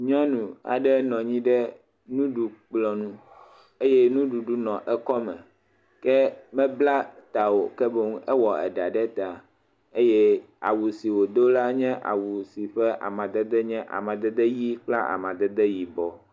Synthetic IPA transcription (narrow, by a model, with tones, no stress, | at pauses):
ɲɔ̃˦nũ˨a̰˨ɖɛ˦nɔ̃˨ɲĩ˦ɖɛ˦ | nũ˦ɖu˨k͡plɔ˨nũ˦ | e˦jɛ˦nũ˦ɖu˨ɖu˦nɔ̃˨ʔɛ˦kɔ˦mɛ̃˨ | kɛ˦mɛ̃˦bla˦t̪a˨wo˨kɛ˦be˦ŋũ˦ʔɛ˦wɔ˨ɛ̰˨ɖa˨ɖɛ˦t̪a˨ | e˦jɛ˦ | a̰˨wu˨si˨wo˨d̪o˦la˦ɲɛ̃˦ʔa̰˨wu˨si˨ɸɛ˦ʔa̰˨mã˨d̪ɛ˦d̪ɛ˦ɲɛ̃˦ʔa̰˨mã˨d̪ɛ˦d̪ɛ˦ji˦k͡pla˦ʔa̰˨mã˨d̪ɛ˦d̪ɛ˦ji˨bɔ˨